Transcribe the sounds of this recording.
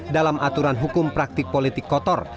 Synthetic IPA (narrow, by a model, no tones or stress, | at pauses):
dalamʔat̪uɾanɦukʊmpɾak̚t̪ɪk̚polit̪ɪkːɔt̪ɔr